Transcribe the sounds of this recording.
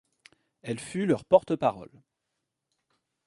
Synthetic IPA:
ɛlfylœʁpɔʁt̪əpaʁɔ̰l

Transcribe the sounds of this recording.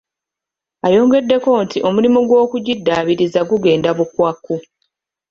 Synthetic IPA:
ajo̞ːŋɡe̞dːe̞ko̞ntʰiʔo̞mulimuɡwo̞ːkuɟidːaːβiɾizaɡuɡe̞ːndaβukwakːu

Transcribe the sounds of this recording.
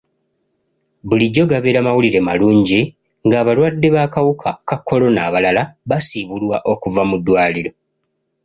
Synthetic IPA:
βuliɟːo̞ɡaβe̞ːɾamawuliɾe̞ma̰luːɲɟi | ŋɡaːβalwadːe̞βaːkawukʰakakʰːo̞lo̞naːβalalaβasiβulwaʔo̞kuvamudːwaːliɾo̞

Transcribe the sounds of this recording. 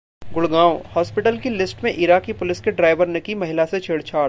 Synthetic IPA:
ɡʊɽɡãːwhɔːspɪʈəlkilɪsʈmẽʔɪɾaːkipʊlɪskeɖɾaːɪʋəɾnekimɐɦɪlaset͡ʃʰeːɽt͡ʃʰaːɾ

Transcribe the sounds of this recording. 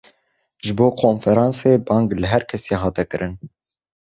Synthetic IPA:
ʒɨboːkʰonfɛɾɑːnseːbɑːŋɡlɨɦɛɾkʰɛseːɦɑːt̪ɛkɨɾʔɨn

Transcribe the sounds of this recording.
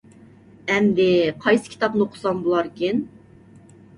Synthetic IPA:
ɛmd̪ɪqʰɑjsɨ̥kʲʰi̥t̪ɑpnɨoqʰʊ̥sɑmbolˠɑɾkʲin

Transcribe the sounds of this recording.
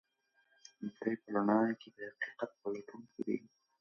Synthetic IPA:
t̪ajpəlanɑjked̪əhaqi̥qat̪̚pəlaʈunked̪ḭ

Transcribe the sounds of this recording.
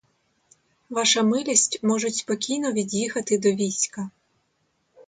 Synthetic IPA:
ʋɑʃɐmɪlʲisʲtʲmɔʐʊtʲspɔkʲijnɔʋʲidʲjixɐt̪ɪd̪ɔʋʲisʲkɐ

